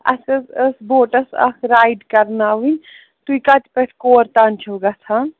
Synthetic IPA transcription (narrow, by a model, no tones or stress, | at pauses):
ɐ̰sɐsɐsboːʈɐsɐ̰kʰɾaːjɖkɐɾnaːʋinʲ | t̪uikat̪pɐʈʰkoːɾt̪aːnt͡ʃʰɐwɡɐt͡s̪ʰa